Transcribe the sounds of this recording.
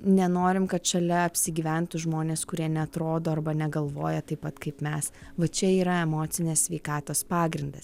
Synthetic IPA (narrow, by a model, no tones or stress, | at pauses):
nʲɛnoːɾʲɪmkɐt̪ʃɐlʲɛɐpʲsʲɪɡʲiːʋʲænt̪ʊʒmoːnʲeːskʊɾʲiɛnʲɛɐt̪ɾoːd̪oːɐrbɐnʲɛɡɐlˠʋoːjɛt̪ɐɪpːɐt̪kɐɪpmʲɛsʋɐt͡ʃʲɛiːɾɐɛmoːt̪sʲɪnʲeːsʲsʲʋʲɛɪkɑːt̪oːspɑːɡɾʲɪnd̪ɐs